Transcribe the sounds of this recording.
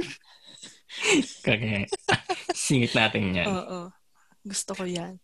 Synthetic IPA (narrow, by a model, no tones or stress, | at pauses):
kɐkɛ | siːŋɪt̪̚naːt̪ɪnɲa̰noːʔo | ɡʊst̪okojan